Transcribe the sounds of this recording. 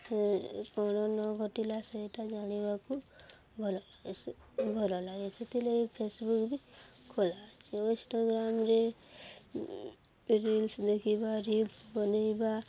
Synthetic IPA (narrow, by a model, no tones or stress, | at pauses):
kɔɽ̃ɔnɔɡʱɔʈilasɔeʈad͡ʒaɽ̃ibaku | bʱɔlɔla | bʱɔlɔlaɡesʰet̪ileipʰesbukbikʰolat͡ʃʰioĩsʈaɡɾamɾe | ɾilsd̪ekʰibaɾilsbɔnajba